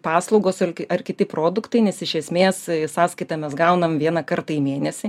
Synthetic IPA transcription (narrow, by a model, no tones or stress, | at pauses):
pɑːslˠɔʊɡoːsɐlʲɐrkʲɪt̪ʲɪpɾoːd̪ʊkt̪ɐɪnʲɛsɪʃʲɛsʲmʲeːssɑːskɐɪt̪ɑːmʲɛsɡɐʊnɐmʋʲiɛnɐkɐɾt̪ɐimʲeːnʲɛsʲɪ